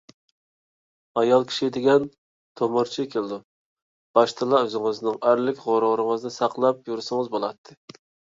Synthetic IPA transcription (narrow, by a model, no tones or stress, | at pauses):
ɑjɑlˠkʲʰi̥ʃid̪ɪɡʲɛn | t̪ʰomʊɾt͡ʃʰikʲʰelˠɪd̪u | b̥ɑʃt̪ʰɨlˠɑøzɪŋɨznɪŋæɾlɪkʲʁoɾʊʁɾɨŋɨznɨsɑqlˠɑp̚juɾsɨŋɨzbolˠɑt̪ʰːɨ